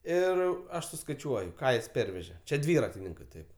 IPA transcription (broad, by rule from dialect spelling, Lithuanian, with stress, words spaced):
ˈɪr ˈɐʃ sʊskɐɪˈt͡ʃʲuɔjʊ ˈkɑː jɪs ˈpʲɛrʲʋʲɛʒʲɛ ˈt͡ʃʲɛ ˈdʲʋʲiːrɐtʲɪnʲɪŋkɜ ˈtɐɪp